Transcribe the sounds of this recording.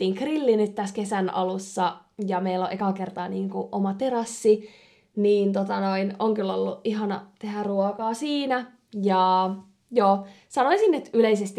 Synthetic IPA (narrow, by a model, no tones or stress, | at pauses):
iːŋkrilːinyt̪t̪æskesænɑ̰lusːɑjɑmeilːo̰ʔekɑkert̪ɑːniːŋkuʔomɑt̪eɾɑsːi | niːnt̪ot̪ɑnoinoŋkylːolːuʔiɦɑnɑt̪ehæruokɑːsiːnæ | jɑ | joː | sɑnoisinːet̪yleisest̪i